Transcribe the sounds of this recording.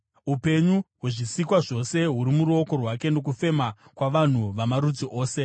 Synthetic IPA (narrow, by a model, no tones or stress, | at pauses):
upe̞ɲuɦwuʐisikwaʐo̞se̞ɦuɾimuɾuoko̞rwake̞no̞k̬ufe̞makwaʋan̤uʋamaɾud͡ziʔo̞ːse̞